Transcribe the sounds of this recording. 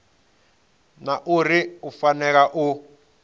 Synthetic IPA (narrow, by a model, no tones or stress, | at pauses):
naʔuɾiufanɛk̬aʔu